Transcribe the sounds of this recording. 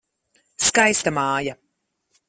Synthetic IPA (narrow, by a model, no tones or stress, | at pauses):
skajst̪amɑːja